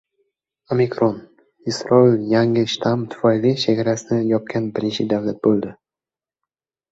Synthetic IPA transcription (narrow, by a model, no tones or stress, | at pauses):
omikɾon | isɾɒiljaŋɪʃt̪ʰamt̪ʰʊ̥failiʃeɡʲaɾasɪnɪjɒp̚kʲʰanbɪɾɪnt͡ʃʰɪd̪avlat̪̚bolˠd̪ɪ